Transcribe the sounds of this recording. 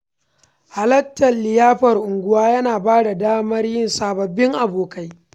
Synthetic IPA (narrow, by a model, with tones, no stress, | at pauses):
ha˨lɐ˦tːɐ˨lːɪ˨jaː˦ɸɐ˨rʔʊ˨ŋɡʷʊ˦waː˦jɐ˦naː˨baː˦da˨daː˦mɐ˦rjɪ˦nsaː˨bɐ˨bːɪ˦ŋʔa˨boː˨ka˦j